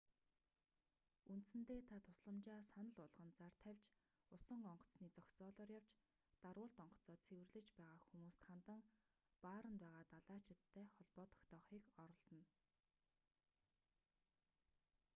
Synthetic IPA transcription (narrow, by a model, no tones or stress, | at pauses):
unt̪̆sɘ̆nt̪eːt̪ʰat̪ʰʊsɮə̆mt͡ɕaːsanə̆ɮʊɮʁə̆nt͡sar̥t̪ʰæwʲt͡ɕ | ʊsə̆ɴɢɔɴɢɞ̥̆t͡sniːt͡sɔksɔːɮɔːrjaw̥t͡ɕ | t̪aɾʊːɮt̪ɔɴɢɞ̥̆t͡sɔːt͡sʰewɘ̆rɮɘ̆t͡ɕpæːʁaːxumuːst̪χant̪ə̆ŋ | paːɾə̆npæːʁaːt̪aɮaːt͡ɕʰɪ̆t̪ʰːæːχɔɮpɔːt̪ʰɔ̥kt̪ʰɔːχiːkɔɾɞ̆ɮt̪ə̆n